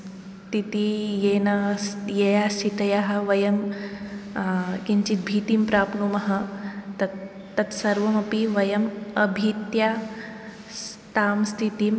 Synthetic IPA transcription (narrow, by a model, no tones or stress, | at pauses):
t̪it̪ijenɐjejaːsit̪ɐjaɦɐ̆ʋɐjɐm | kiɲt͡ʃit̪̚bʱiːt̪impɾaːpnumɐɦɐt̪ɐː | ɐt̪sɐɾʋɐmɐpiʋɐjɐmɐbʱit̪ja | s | t̪aːmst̪ʰit̪im